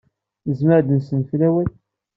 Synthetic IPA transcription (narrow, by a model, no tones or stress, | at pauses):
nəzməɾd̪ənsənflæwæl